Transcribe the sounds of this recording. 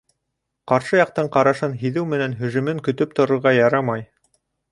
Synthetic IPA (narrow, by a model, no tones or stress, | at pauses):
qɑɾʃɤjɑq̚t̪ɤɴqɑɾɑʃɤnɦiðɘwmɘ̆nænɦɵ̆ʒɵ̆mɘŋkɵ̆t̪ɵp̚t̪ŏɾŏɾʁɑjɑɾɑmɑj